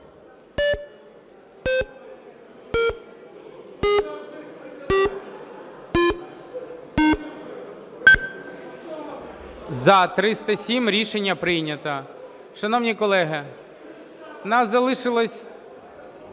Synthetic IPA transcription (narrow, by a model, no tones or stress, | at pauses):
zɐt̪ɾɪst̪ɐsʲimɾʲiʃenʲːɐpɾɪjnʲɐt̪ɐ | ʃɐnɔwnʲikɔlˠɛɦɐ | nɑszɐlˠɪʃɪlˠɔsʲ